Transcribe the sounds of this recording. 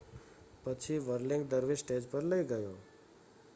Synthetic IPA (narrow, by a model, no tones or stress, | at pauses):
pət͡ʃʰiʋəɾliŋɡd̪əɾʋisʈed͡ʒpəɾləjɡəjo̰